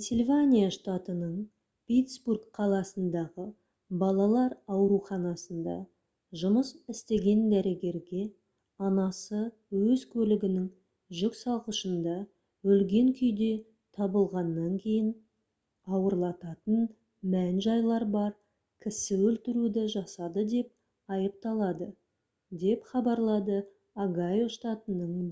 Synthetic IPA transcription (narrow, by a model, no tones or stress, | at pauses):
sʲelʲvʲanʲijaʂt̪at̪ənəɴ | pʲit̪sburkqʰɑlˠɑsənd̪ɑʁə | bɑlˠɑlˠɑɾɑwɾuχɑnɑsənd̪ɑ̰ | ʒʊməsɪst̪e̞ɡʲe̞nd̪æɾe̞ɡʲe̞ɾɡʲe̞ | ɑnɑsə | wɵzkʲʰɵlɪɡʲɪnɪŋ | ʒʏksɑlˠqəʃənd̪ɑ | wɵlɡʲe̞ŋkʲʰʏjd̪e̞ | t̪ʰɑbəlˠʁɑnːɑŋkʲʰe̞jɪn | ɑwəɾlˠɑt̪ɑt̪ən | mænʒɑjlˠɑɾbɑɾ | kʲʰɪsɪwɵlt̪ɪɾud̪ɪʒɑsɑd̪əd̪e̞p̚ | ɑjəp̚t̪ɑlˠɑd̪ə | d̪e̞pχɑbɑɾlˠɑd̪ə | aɡajo̞ʃt̪ɑt̪ənəɴ